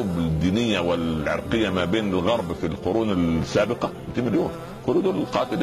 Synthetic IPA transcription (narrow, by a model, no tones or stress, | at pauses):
uːbd̪ːiːnɪjːawɪlʕɑ̰ɾˤqɪjːamabeːnɪlɣɑɾˤbfilqʊɾuːnɪlsaːbɪqɑ | t̪ɪmːɪljoːm | xʊlud̪uːlɪlqɑːt̪ɪl